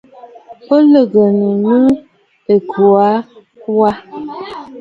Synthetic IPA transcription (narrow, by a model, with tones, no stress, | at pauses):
po˦lə˦˨ɡə˨nə˨nə˦ | e˨ɡu˨a˨˦ | wa˦